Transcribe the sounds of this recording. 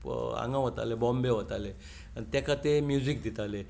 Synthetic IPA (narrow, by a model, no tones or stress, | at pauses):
ã̰ŋɡãɦot̪a̰lebɔmbeɦot̪ale | t̪ɛkʰat̪emjud͡zik̚d̪it̪ale